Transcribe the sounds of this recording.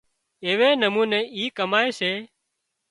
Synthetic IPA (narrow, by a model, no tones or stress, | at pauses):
eːʋeːnəmuːnẽːʔiːkəmaːeːseː